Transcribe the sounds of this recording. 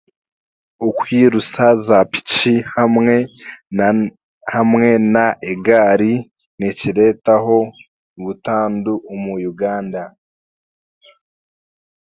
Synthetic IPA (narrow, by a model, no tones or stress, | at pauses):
ukwiːɾusazapi̥cihamŋe | hamŋe̞naʔeɡaːɾi | niciɾe̞taɦo̞ | βutaːnduːmujuɡaːnda